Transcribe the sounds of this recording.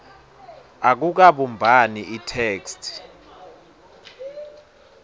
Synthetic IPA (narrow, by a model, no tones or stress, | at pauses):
ak̬uk̬aɓumbʱaniʔitʰeːkstʰ